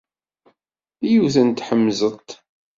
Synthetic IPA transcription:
ijuθənt̪ħəmːzət̪

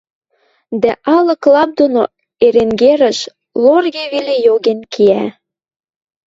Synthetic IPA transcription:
d̪æʔɑlɤ̆klɑp̚d̪ono | eɾeŋɡeɾə̆ʃ | lorɣeβelejoɣenkʰiæ

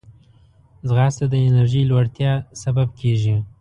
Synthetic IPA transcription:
zɣɑst̪ad̪əɪnaɾʒijlwaɽt̪jɑsabab̚kʰeʒi

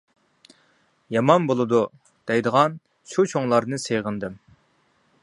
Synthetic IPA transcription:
jɑmɑnbolˠɨd̪u | d̪̥ɛjd̪əʁɑn | ʃut͡ʃʰoŋlˠɑɾnɨsejʁənd̪ɨm

